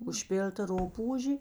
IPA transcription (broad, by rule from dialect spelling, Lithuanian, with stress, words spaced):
ʊʃʲˈpʲɪlʲtɐ ˈrʊpuːʒʲeː